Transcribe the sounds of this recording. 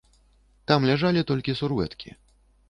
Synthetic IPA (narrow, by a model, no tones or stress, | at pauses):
t̪amlʲaʐalʲit̪ɔlʲkʲisurvɛ̰t̪kʲḭ